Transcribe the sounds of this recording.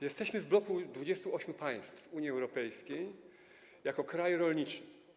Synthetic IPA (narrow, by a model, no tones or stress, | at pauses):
jɛst̪ɛɕmɘvblɔkud̪vud͡ʑɛst̪uɔɕmʲjupaj̃st̪fuɲjiɛwɾɔpɛjskʲej | jakɔkɾajɾɔlɲit͡ʂɘ